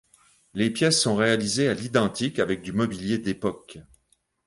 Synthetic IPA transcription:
lepjɛsːɔ̃ʁealizealid̪ɑ̃t̪ikavɛk̚d̪ymɔbiljed̪epɔk

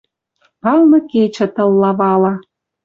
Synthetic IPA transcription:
pɑlnɤ̆ket͡ɕə̆t̪ɤ̆lːɑβɑlɑ

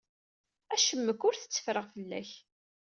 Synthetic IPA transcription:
æʃəmːəkʊɾθə̥t͡sːə̥fɾəʁfəlːæ̰ç

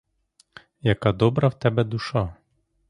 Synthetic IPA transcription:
jɐkad̪ɔbɾɐwt̪ɛbɛd̪uʃa

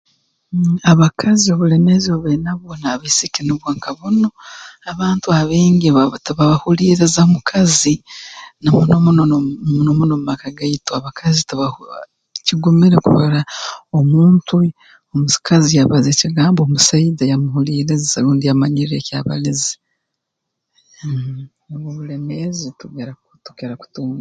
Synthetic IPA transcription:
aβakʰazioβulenezioβenaβonaβesikeneβwaːŋkʰaβonoaβaːntuaβeːŋɡiβatβaβahuliːɾezaomukʰazinamunomunonomunomumakaɡaitoaβakʰazitaβa | ciɡumiɾe̞kṵβaɾaomuːntʰu | omu̥kazijaβaze̞ciɡaːmbo̞ːmusaidajamuhuliːɾezealuːndijamaɲiɾecaːβa̰lizi | oβoβulemezituɡeɾa | tu̥keɾaku̥tuːmba

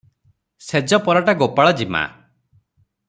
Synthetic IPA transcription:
sed͡ʒɔpɔɾaʈaɡopaɭɔd͡ʒima̰

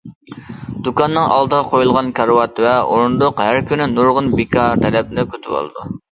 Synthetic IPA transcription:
d̪̥ukɑnːɨŋʔɑ̰lˠd̪əʁɑqʰojulˠʁɑnkʰɑɾwɑt̪vɛoɾnd̪ʊqhæɾkʲʰynɪnuɾʁʊnbekʰɑɾt̪ʰɛlɛp̚nɪkʲøt̪ʰɪwo̰lˠɨ̰d̪ṵ

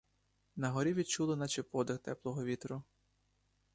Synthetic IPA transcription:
nɐɦɔɾʲiʋʲid̪̚t͡ʃulˠɪnɑt͡ʃepɔd̪ɪxt̪ɛplˠɔɦɔʋʲit̪ɾʊ

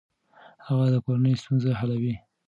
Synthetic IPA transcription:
haɣad̪əkoɾanəjst̪unzaɦalawi

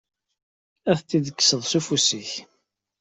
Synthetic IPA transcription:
æθt̪ːiðəkːsəðˤsufusiç

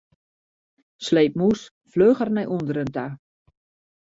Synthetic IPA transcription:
sleːp̚mus | fløːχərnɛjʔundəɾənta

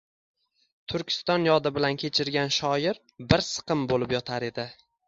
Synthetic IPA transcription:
t̪ʰʊɾkʲʰɪ̥st̪ɒnjɒd̪ɪbɪlankʲʰe̞t͡ʃʰɪɾɡʲanʃɒjɪɾ | bɪɾsɨ̥qɨmbolɪpjɒt̪ʰaɾe̞d̪ɪ

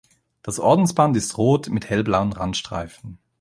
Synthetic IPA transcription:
d̥asʔɔɐdn̩sb̥antɪstʁoːtmɪthɛlblaʊənʁa̰ntʃtʁ̥a̰ɪfn̩

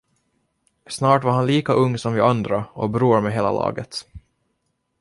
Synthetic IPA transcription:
snɑːʈvaɾhanliːkaʔɵŋːsɔmvɪand̪ɾaɔbɾuːɾmɛɦeːla̰lɑ̰ːɡət̪

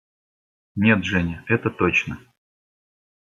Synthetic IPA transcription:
nʲe̞t̪ʐɛnʲɪɛt̪ət̪ot͡ɕnə

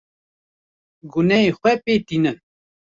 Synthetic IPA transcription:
ɡunɛexʷwɛpeːt̪iːnɨn

